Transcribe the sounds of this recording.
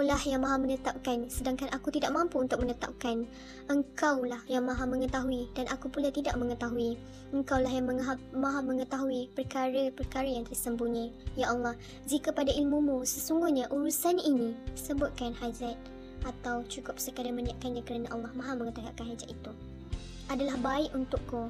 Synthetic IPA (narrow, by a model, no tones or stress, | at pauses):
olahjaŋmãɦamənət̪ap̚kansədaŋkanʔakut̪idaʔmãmpuunt̪ʊk̚mənət̪a̰p̚kan | ʔəŋkawlahjaŋmãɦamə̃ŋət̪aɦuidanʔakupulat̪idaʔ̚məŋət̪aɦui | əŋkawlaɦjaŋməŋɦamãɦaməŋət̪aɦuipərkaɾəpərkaɾəjaŋt̪ərsəmbuɲãjaʔɑlːɑh | d͡ʒikəpadaʔilmumusəsuŋɡuhɲaʔuɾusanaʔinĩsəbʊt̪̚kanhad͡ʒat̪̚ | ʔat̪awt͡ʃukʊp̚səkadaməniaʔ̪̚kanɲãkəɾanaʔɑlːɑhmãɦamə̃ŋət̪aɦuaʔkanɦad͡ʒat̪it̪u | ʔadalahbaɪʔunt̪ʊkːu